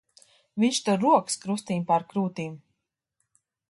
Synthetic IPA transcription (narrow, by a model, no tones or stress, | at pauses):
viɲʲʃt̪ɔɾuɔkskɾust̪iːmpaɾkɾuːt̪iːm